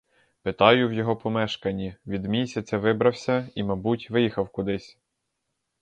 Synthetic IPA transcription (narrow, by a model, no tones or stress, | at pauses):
pɪt̪ɑjʊwjɔɦɔpɔmɛʃkɐnʲiʋʲid̪mʲisʲɐt͡sʲɐʋɪbɾɐwsʲɐimɐbutʲʋɪjixɐwkʊd̪ɪsʲ